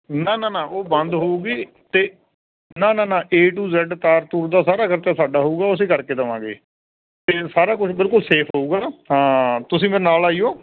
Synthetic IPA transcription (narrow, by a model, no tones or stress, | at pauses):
nãːnãːnãːʔoːbənd̪ɦoːuːɡiː | t̪eː | nãːnãːnãːʔeːʈuːzɛːɖt̪aːɾt̪uːɾd̪aːsaːɾaːkəɾt͡ʃaːsaːɖaːɦouːɡaːʊs̬ẽːkəɾkeːt̪əʋãːɡḛː | t̪eːsaːɾaːkʊt͡ʃʰbɪlkʊlseːpʰɦoːuːɡaːɦãːt̪ʊsĩːmeːɾenaːlaːiːoː